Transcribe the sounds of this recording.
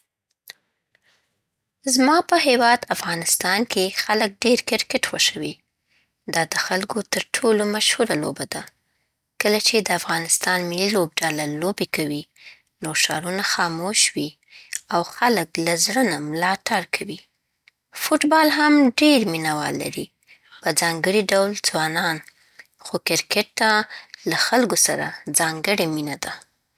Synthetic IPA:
zmɑpəɦewɑd̪afɣɑnɪst̪ɑnkexalək̚ɖeɾkɪɾkɪʈwəʃawi | d̪ɑd̪əxalkot̪əɾʈʰolomaʃhuɾalo̰bad̪a | kəlat͡ʃed̪əafɣɑnɪst̪ɑnmɪlilob̚ɖalalobekawi | noʃɑɾunaxɑmoʃwi | awxaləklazɽənamlɑʈaɾkʰawi | fʊʈbɑlɦamɖeɾminawɑ̰lːa̰ɾi | pəd͡zɑŋɡəɽiɖawld͡zwɑnɑn | xokɪɾkeʈ̚t̪alaxalɡosaɾa̰d͡zɑŋɡəɽeminad̪a

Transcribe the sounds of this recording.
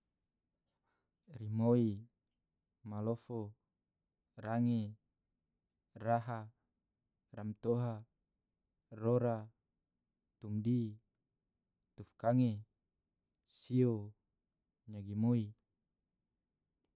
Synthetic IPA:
rimoi | malofo | raŋe | raɦa | ramt̪oɦa | roɾa | t̪umdi | t̪ufkaŋe | sio | ɲaɡimoi

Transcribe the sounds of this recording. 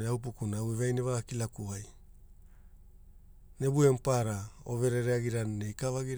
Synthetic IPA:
eaupukunawevajne̞βaɡakilakuaj | ne̞bue̞mpaɾaove̞ɾe̞ɾeaɡiɾanːe̞jkavaɡiɾ

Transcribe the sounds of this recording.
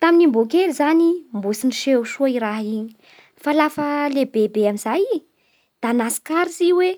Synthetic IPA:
t̪aminimbokelizanimbusiniʃewʃuiɾaɦiɲi̥ | falafəlebebeamizaji | d̪̥anasi̥kaɾiziwe

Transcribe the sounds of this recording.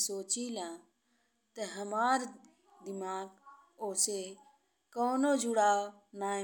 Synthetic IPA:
soːt͡ʃilãː | t̪əɦəmaːɾ | d̪ɪmaːɡ | oːse | koːnod͡ʒʊɽaːo | naː

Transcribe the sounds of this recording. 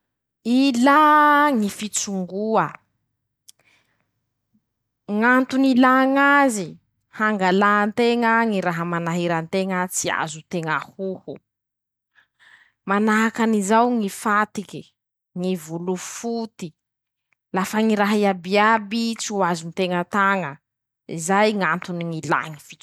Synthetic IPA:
ilaŋifit͡suŋɡuə | ŋant̪unilaːŋazi | haŋɡalaːnt̪eŋəŋiɾaɦəmanaɦiɾant̪eŋət͡sia̰zut̪eŋahuhu | manaɦakanizawŋifat̪iki | ŋivulufut̪i | lafəŋiɾaɦaiabiabit͡suazunit̪eŋət̪aŋə | izajŋant̪uniŋila̰ŋiv̥it͡ʃ

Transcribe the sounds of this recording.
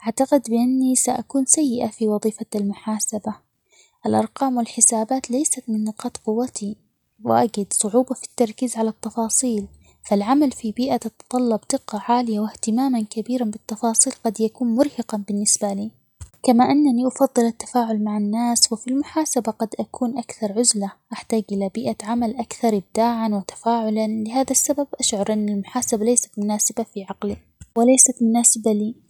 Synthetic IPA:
ʔaʕt̪aqɪd̪bɪʔanːisaʔakuːnsajːɪʔafiwɑðˤiːfalmʊħaːsaba | ʔalʔɑɾˤqɑːmwɪlħɪsaːbaːt̪lajsat̪mɪnːɪqɑːt̪qʊwːat̪i | wɪʔaɡɪd̪sˤʊʕuːbɑfi̥t̪ːɑɾˤkiːzʕalat̪ːɑfɑːsˤiːl | falʕamalfibiːʔat̪ɑt̪t̪ˤɑlːɑbd̪̥ɪqːɑʕaːlɪjawɪht̪ɪmaːmankabiːɾanbɪt̪ːɑfɑːsˤiːlqɑd̪jakuːnmʊɾhɪqɑbɪnːɪsbaliː | kamaʔanːaniʔɑfɑðˤːɨlat̪ːḁfaːʕʊlmaʕanːaːswɪfilmʊħaːsabaɡɑd̪ʔakʰuːnʔakθɑɾˤʕʊzlaʔaħt̪aːɡʔɪlabɪːʔaʕamalʔakθɑɾˤʔɪb̚d̪aːʕanwɪt̪ḁfaːʕʊlanlɪɦaːðasːababʔaʃʕʊɾˤʔɪnːalmʊħaːsabalajsḁt̪mʊnaːsɪbafiʕaqli | wɪlajsat̪mʊnaːsɪbaliː

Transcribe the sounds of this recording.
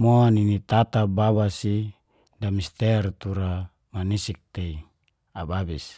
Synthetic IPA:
moninit̪at̪abaβasi | damist̪ɛrt̪uɾa | manisik̚t̪ei | ababis

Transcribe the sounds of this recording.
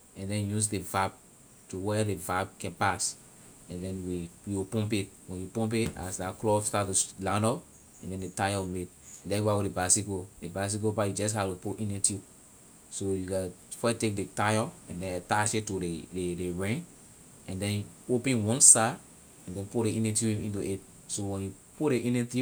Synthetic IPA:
ɛ̃ndɛ̃njusdevab̚ | tuwɛdevab̚kɛ̃npas | ɛ̃ndɛ̃nwijopɔ̃mp̬ewɛ̃njupɔ̃mp̬ea̰sdaklɔstattulãndɔ | ɛ̃ndɛ̃ndetajɔmed | ɛ̃ndɛ̃njwawɔdebasikodebas̬ikopajud͡ʒɛs̬haipuʔĩnɛ̃ti | sojuka | fɔtek̚detajɔɛ̃ndɛ̃nataʃetueedeɹɛ̃ | ɛ̃ndɛ̃nopɛ̃nwɔ̃nsa | ɛ̃ndɛ̃npudeĩnɛtiuĩntuʔet̚ | sowɛ̃nju | pudeʔĩnɛti

